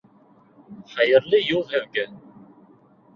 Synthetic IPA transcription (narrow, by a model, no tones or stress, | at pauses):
ħəjəɾˤlijʊðˤəvɡæn